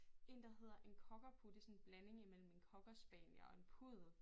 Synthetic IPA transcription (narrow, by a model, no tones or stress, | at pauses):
e̝nd̥ɐ̈ɦe̝ð̞̰ˠɐʔe̝nkʰɒ̽ɡ̥ɐpʰud̥əsɒ̽nn̩b̥læne̝ŋimel̰m̩e̝nkʰɒ̽ɡ̥ɐsb̥ɛ̰ːnjɐɒ̽e̝npʰuð̞̰ˠ